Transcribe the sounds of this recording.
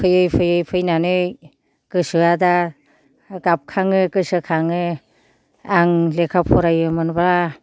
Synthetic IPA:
pʰɯjɯjpʰɯjɯjpʰɯjnanɯj | kɯsɯada | ɡap̚kʰaŋɯkɯsɯkʰaŋɯ | aŋlekʰapʰɔɾajɯmɯnbaɾa

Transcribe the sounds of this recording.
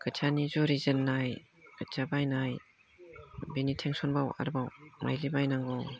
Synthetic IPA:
kɯt͡ʃʰanizɔɾizənːaj | kʰɯt͡ʃabajnaj | binitʰeŋsɔnbawa̰ɾbawmʔa̰jlibajnaŋɡɔw

